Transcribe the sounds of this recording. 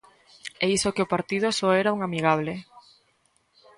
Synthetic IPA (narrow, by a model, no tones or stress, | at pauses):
eisokeopaɾt̪ið̞ʊsɔɛɾauŋamiɣ̞aβ̞le